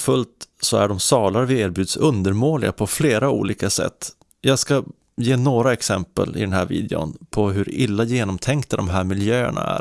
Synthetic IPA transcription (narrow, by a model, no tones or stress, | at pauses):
fɵlt̪sɔæɖɔmsɑːlaɾvɪeːɾbjʉ̟ːd̪sɵnd̪əɾmoːlɪɡapʰɔfleːɾaṵːliːkasɛ̰t̪ː | jɑːɡska | jeːnoːɾaɛksɛmpə̰lɪ̰d̪ɛnɦæːɾvḭːd̪ɪ̰ʊ̰npʰɔɦɵɾɪlːajeːnɔmt̪ʰɛŋk̚t̪ad̪ɔmɦæːɾmɪljøːə̰ɳa̰æ̰ɾ